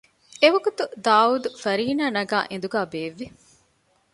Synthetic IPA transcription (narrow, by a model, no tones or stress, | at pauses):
eʋɐɡut̪ud̪aːuːd̪ufɐɾiːnaːnɐɡa̰ːʔẽnd̪uɡaːbeːʋːi